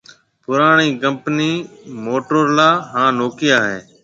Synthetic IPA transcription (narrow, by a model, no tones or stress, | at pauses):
pʊɾaːɳ̃iːkəmpniːmoːʈoɾlaːɦãːnoːkɪjaːɦeː